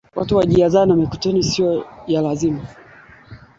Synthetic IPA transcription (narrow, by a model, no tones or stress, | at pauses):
wʔa̰tuwaʄiazanamikɔ̥tɔnisiɔjalazima